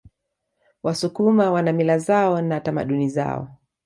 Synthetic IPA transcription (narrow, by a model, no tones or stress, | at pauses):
wasukumawanamilazaɔnatama̰ɗuniza̰ɔ̰